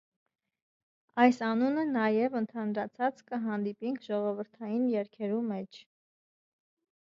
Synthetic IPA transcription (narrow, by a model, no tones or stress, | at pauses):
ɑjsɑnunənɑjɛvənt̪ʰɑnɾɑt͡sʰɑt͡skəɦɑnd̪ipiŋkʰʒɔʁɔvəɾt̪ʰɑjinjɛɾkʰɛɾumɛt͡ʃʰ